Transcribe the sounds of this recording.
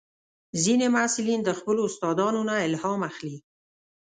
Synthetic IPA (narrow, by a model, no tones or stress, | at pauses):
zinemasɪlind̪əxpəloːst̪ɑd̪ɑnonaɪlhɑmaxli